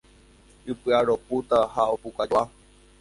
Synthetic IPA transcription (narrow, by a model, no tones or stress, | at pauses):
ɨpɨaɾoput̪ahaopukad͡ʒa